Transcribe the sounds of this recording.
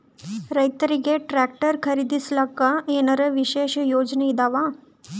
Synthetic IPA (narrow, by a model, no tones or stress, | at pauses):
ɾəjt̪əɾiɡeʈɾæk̚ʈəɾkʰəɾid̪islakːaenəɾəʋiɕeɕjod͡ʒneid̪aʋa